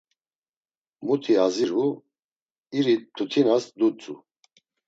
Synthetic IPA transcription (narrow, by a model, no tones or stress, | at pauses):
mut̪ʰiaziɾu | iɾit̪ʰut̪ʰinasd̪ut͡sʼu